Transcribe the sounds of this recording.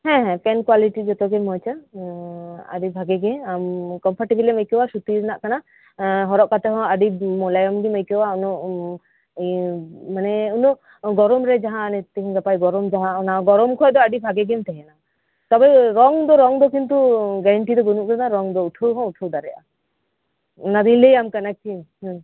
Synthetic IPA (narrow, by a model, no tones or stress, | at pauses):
hɛ̃ɦɛ̃pɛnkwaliʈid͡ʒɔt̪ɔɡɛmɔ̃t͡ʃa | a̰ɖibʱaɡɛɡɛamkɔmpʰaɾʈibiliməjkɛwasut̪iɾnaʔkana | ɦɔɾɔʔkat̪ɛɦɔ̃aɖimɔlajɔmɡiməjkɛwaunɔʔ | manɛunɔ | ɡɔɾɔmɾɛd͡ʒaɦãnɛt̪ɛɦĩɡapajɡɔɾɔmd͡ʒaɦãnaɡɔɾɔmkʰɔjd̪ɔaɖibʱaɡɛɡɛmt̪ɛɦɛna | t̪ɔbɛɾɔŋd̪ɔɾɔŋd̪ɔkint̪uɡɛɾɛɳʈid̪ɔɡɔnuʔknaɾɔŋd̪ɔuʈʰuɦɔ̃uʈʰud̪aɾɛjʔa̰ | nad̪ĩlejamkanak̚t͡ʃʰiɦ